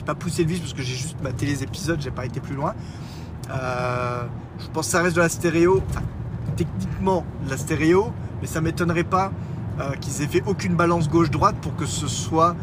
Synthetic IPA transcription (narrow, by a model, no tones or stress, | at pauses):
epapuselvispasə̥kəʒeʒyst̪mat̪elezepizɔd̪ʒepaet̪eplylwɛ̃ | ø | ʒ̥əpɑ̃sksaʁɛst̪̬d̪əlast̪eʁeoɑ̃fɛ̰̃t̪ɛknikmɑ̃last̪eʁeomɛsamet̪ɔnʁɛpa | økʲilzɛfɛʔokʲynbalɑ̃s̬ɡoʃd̪ʁwat̪̚puʁkəsəswa